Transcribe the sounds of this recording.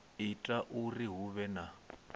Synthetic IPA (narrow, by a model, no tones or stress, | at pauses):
ɪtʼaʔuriɦuβɛna